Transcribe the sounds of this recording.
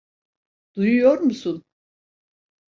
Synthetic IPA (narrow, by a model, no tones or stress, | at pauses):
d̪̥ujujo̞ɾmusun